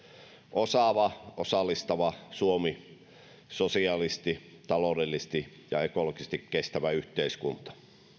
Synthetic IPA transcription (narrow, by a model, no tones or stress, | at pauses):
ʔosɑʋɑʔosɑlːˑist̪ɑʋɑsuomi | sosiɑlist̪it̪ɑloˑdelːist̪i | jɑekolokisest̪ikkest̪æʋæyht̪eiskunt̪ɑ̥